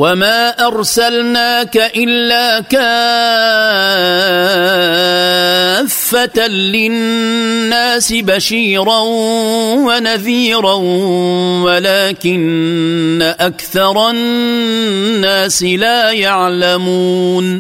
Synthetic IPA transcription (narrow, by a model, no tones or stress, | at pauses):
wamaːʔɑɾˤsalnaːkaʔɪlːaːka | fːat̪alɪ | nːaːsɪbaʃiːɾanwanaðiːɾan | walaːkɪnː | aʔakθɑɾˤɑ | aːsɪlaːjaʕlamuːn